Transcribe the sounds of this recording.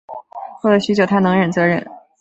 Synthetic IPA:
xwdɤ˧˥ɕy˥t͡ɕjo˨˩ʊt̪ʰa˥nɤ˧˥ŋɻə˨˩nt͡sɤ˧˥ɻə̰˥˩n

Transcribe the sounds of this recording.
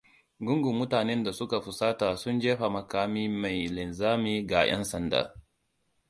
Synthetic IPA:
ɡʊ˦ŋɡu˨mʊ˦taː˨nɛ˦nda˨sʊ˦ka˨ɸʊ˨saː˦taː˨sʊ˦nd͡ʒeː˦ɸa˨mɐ˨kaː˦miː˦ma˨jlɪ˨nzaː˦miː˦ɡa˨j̰ʔɐ̰˦nsɐ˨nda̰ː˨

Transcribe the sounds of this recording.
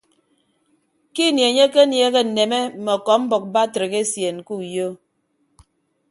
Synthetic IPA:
ki˦˨nje˨ɲe˦ke˦nje˨˦ɣe˦n̩˨ne˨me˦m̩˨mɔ˨kɔ˨˦m̩˦bɔ˨k̚ba˦tɾe˨ɣe˦sje˨n˨ku˦˨jo˦

